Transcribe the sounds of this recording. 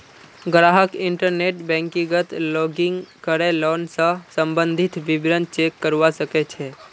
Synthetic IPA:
ɡɾaːɦəkɪ̃ɳʈəɾneːʈbɛ̃ːŋkiɡət̪loːɡɪ̃ŋkəɾeloːnsə̃sə̃mbə̃nd̪ʱɪt̪ʋɪbɾənt͡ʃeːkːəɾʋasəket͡ʃʰeː

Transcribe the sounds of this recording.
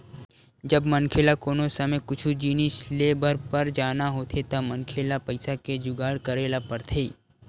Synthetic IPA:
d͡ʒəbmənkʰelakoːnosəmekʊt͡ʃʰud͡ʒinɪsleːbəɾpəɾd͡ʒaːnaɦoːt̪ʰet̪amənkʰelapəɪsaked͡ʒʊɡaːɽkəɾeːlapəɾt̪ʰeː

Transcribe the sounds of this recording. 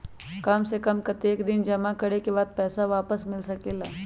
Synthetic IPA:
kɐmsekɐmkɐt̪eːkd̪ɪnd͡ʒɐmakɐɽekebaːd̪̚pɛːsaʋaːpəsmɪlsɐkeːlaː

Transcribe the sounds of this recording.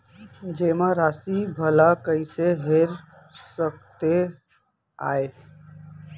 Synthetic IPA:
d͡ʒeːmaɾaːsibʱəlakəiseɦeɾ | səkt̪e | a̰ːe

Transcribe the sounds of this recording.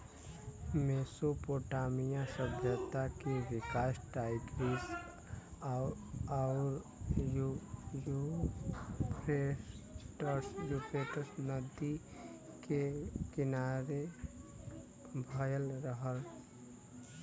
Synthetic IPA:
mesopoːʈamijãsəbʱjət̪akeʋɪkaːsʈaɪɡɾis | aʊɾ | jju | pɾeʈəɾsjupeʈəɾsnəd̪i | kekɪnaɾe | bʱəjəlɾəɦəl

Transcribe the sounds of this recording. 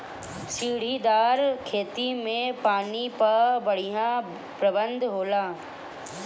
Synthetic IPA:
siːɽ̤id̪aːɾkʰeːt̪imẽpaːnipɐɾbəɽ̤ijã | pɾəbə̃nd̪ɦoːlaː

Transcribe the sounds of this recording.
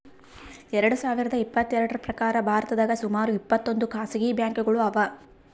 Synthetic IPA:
ɛɾɐɽusaːʋiɾɐd̪ɐipːɐt̪ːɛɾɐɽɐɾɐpɾɐkaːɾɐbʱaːɾɐt̪ɐd̪aːɡɐsumaːɾuipːɐt̪ːo̞nd̪ukaːsɐɡiːbjaːŋkuɡɐɭuɐʋɐ

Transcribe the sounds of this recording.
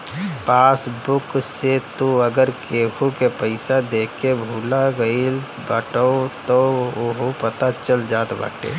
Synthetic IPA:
paːsbʊkset̪uəɡəɾkeːɦʰukepəɪsad̪eːkʰebʱuːlaɡəil | bəʈoot̪ooɦopət̪at͡ʃəld͡ʒaːt̪ba̰ʈḛː

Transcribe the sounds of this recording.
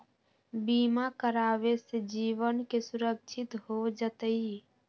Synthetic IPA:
biːmakəɾaːʋesed͡ʒiːʋənkesʊɾək̚t͡ʃʰɪt̪ɦod͡ʒət̪əi

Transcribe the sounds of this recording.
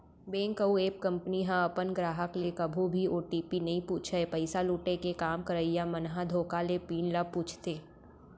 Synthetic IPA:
beːŋkəueːp̚kɐ̃mpniɦãɐpənɡɾaːɦəklekɐbʱũbʱioːʈiːpinɐɦĩpuːt͡ʃʰəepɐɪsaluːʈekekaːmkəɾəjjamɐnɦad̪ʱoːkalepiːnlapuːt͡ʃʰt̪eː

